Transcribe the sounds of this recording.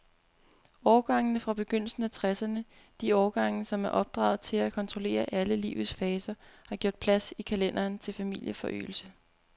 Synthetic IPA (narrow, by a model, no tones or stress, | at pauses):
ɒːɡ̥ɑ̈ŋənəfʁɑ̈b̥e̝ɡ̥øn̰l̩sn̩æt͡sʰʁɛsɐnə | d̥iɒːɡ̥ɑ̈ŋ̰nəsɒ̽mæɐʔɒ̽b̥̚d̥ʁɑ̰̈ːð̩ˠt͡sʰe̝lækʰɒ̽nt͡sʰʁo̝le̝̰ːɐʔæləlḭːʊð̩ˠsfɛːsɐhɑ̈ɡ̥jɔ̝ɐ̰d̥̚pʰlæsikʰælen̰ɐːnt͡sʰe̝lfæmil̰jəfɒ̽ʔy̰ːl̩sə